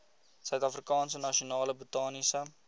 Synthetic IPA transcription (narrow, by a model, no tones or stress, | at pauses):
sœɥtɐfrikɑːnsənɐʃionɑːləbutɑːnisə